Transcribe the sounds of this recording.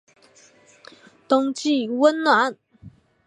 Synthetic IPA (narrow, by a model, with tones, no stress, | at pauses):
t̪ʊ˥ŋt͡ɕi˥˩˨wə˥nnwa˧˥˦n